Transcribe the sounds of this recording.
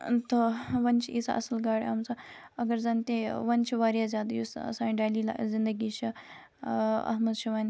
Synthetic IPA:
t̪oʋɐnt͡ʃʰiisɐʔɐ̰sɐlɡaːɽʲɐ̰mt͡sɐɐɡɐɾzant̪eʋɐnt͡ʃʰiʋaːɾjazʲjaːd̪ɐjusɐ̰saːnɖaːlila̰zind̪ɐɡit͡ʃʰi | ɐ̰ɦmɐd̪t͡ʃʰiʋɐnʲ

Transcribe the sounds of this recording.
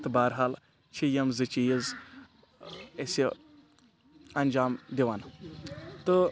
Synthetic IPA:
t̪ɨbaːɾɦaːl | t͡ʃʰijɐmzɨt͡ʃijiz | esi | ɐnʲd͡ʒaːmd̪ʲiʋan | t̪ɨ

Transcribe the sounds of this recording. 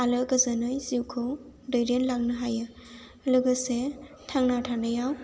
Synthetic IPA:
alɯkəzənɯjziwkʰɯw | dɯjɾenlak̚nɯɦajɯ | luɡəse | tʰaŋnatʰanɯjaw

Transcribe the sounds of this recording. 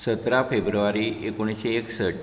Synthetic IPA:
sət̪ɾafebɾuʋaɾiʔekoɽ̃isɕeːksəʈ

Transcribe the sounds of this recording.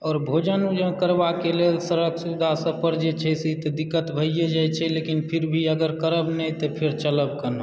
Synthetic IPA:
ɔːɾbʱod͡ʒənud͡ʒəkəɾbakelelsəɾəksud̪ʱasə̃pəɾd͡ʒet͡ʃʰɛsit̪ɔd̪ɪkːət̪bʱəijed͡ʒajt͡ʃʰɛlekinpʰɪɾbʱiəɡəɾkəɾəbnəĩt̪ɔpʰɪɾt͡ʃələb̚kənə

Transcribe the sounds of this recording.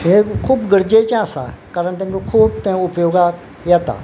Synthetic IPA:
ẽkʰuːbɡəɾd͡ʒet͡ʃãːsa̰ːkaːɾəɳt̪ẽkokʰuːb̚t̪ẽʊpjoːɡaː | jaːt̪a̰ː

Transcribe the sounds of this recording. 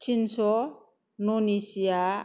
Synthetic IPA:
t͡ʃinsɔ | nonisia

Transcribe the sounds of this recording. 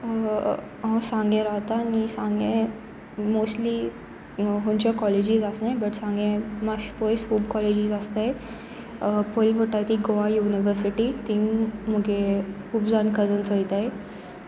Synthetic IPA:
ɦɔ̃sãŋɡẽɾaɦt̪anisãŋɡẽ | mosli | ɦũɲt͡ɕakɔled͡ʑiːzasnajbəʈsãŋɡẽmaɕpojshuːbkɔled͡ʑiːzast̪aj | pojlbʱəʈajt̪iɡoʋajuniʋəɾsiʈit̪iːmm̤əɡe | ubd͡zankəd͡zənt͡sojt̪ae

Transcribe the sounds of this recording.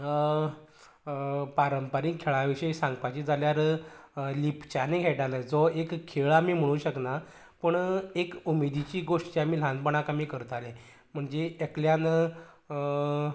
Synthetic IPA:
paɾəmpəɾiːŋkʰːeɭaʋiɕəjsaŋɡpat͡ɕid͡zaljaɾ | lipt͡ɕaneɡʱeʈaləd͡zɔekkʰːeɭamiːm̤əɽ̃uːɕəkna | pəɳekumed̪it͡ɕiːɡoʂʈt͡ɕeamiːlãnd̪̚pəɳakamiːkəɾət̪alẽ | m̤əɳd͡zeekljan

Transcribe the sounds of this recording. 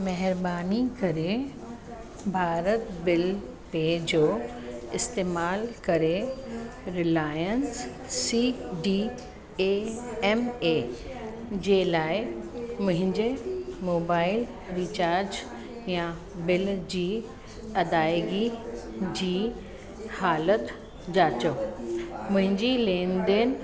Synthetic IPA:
mɛɦɪɾbaːnikɐɾe | bʱaːɾət̪bɪl | ped͡ʑoː | ɪst̪eːmaːlkɐɾe | ɾɪlaːjənsː | iɖiː | eɛmeː | d͡ʑeːlaːɪmʊ̃ɦɪ̃ɲd͡ʑemoːbaːɪl | ɾit͡ɕaːɾd͡ʑ | jã | bɪld͡ʑiː | ɐd̪aːɪɡid͡ʑiː | haːlət̪ | d͡ʑaːt͡ɕo | mʊ̃ɦɪ̃ɲd͡ʑilẽːnd̪ɪn

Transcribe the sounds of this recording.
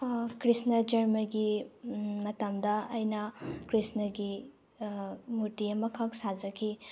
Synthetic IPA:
kɾisnɐd͡ʒɐɾmɐɡi | mɐtɐmdɐːjnɐkɾisnɐɡi | muɾtiɐmɐkʰɐk̚sad͡ʒɐkʰi

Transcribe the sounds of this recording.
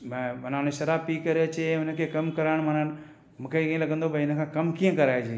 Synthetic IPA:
mɐnaːneʃɐɾaːpikɐɾeɐt͡ɕẽɦʊnə̆kʰeːkɐmkɐɾaːɪɽ̃mɐnan | mũːkʰekiːẽlɐɡə̃nd̪obɐɪnə̆kʰãːkɐmkiːə̃kɐɾaːed͡ʑeː

